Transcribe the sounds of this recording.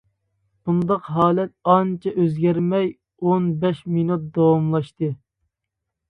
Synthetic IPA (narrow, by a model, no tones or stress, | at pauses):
b̥und̪ɑqɦɑːlɛt̪̚ɑnt͡ʃʰɛʔøzɡʲɛɾmɛj | onbɛʃminut̪̚d̪ɑwɑmlˠɑʃt̪ɨ